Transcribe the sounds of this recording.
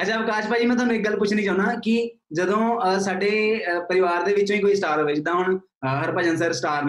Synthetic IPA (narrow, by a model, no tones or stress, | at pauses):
ətːt͡ʃʰaːbkaːt͡ʃpaːd͡ʒiːmɛ̃ːt̪ʊɦaːnũːɪk̚ɡəlpʊt͡ʃʰnĩːd͡ʒãːʊnaːkɪ | d͡ʒəd̪õːsaːɖeːpəɾɪʋaːɾd̪eːʋɪt͡ʃõːiːkoːiːsʈaːɾoːʋeːd͡ʒd̪ãːʊɳ | ɦəɾpaːd͡ʒə̃ns̬əɾsʈaːɾn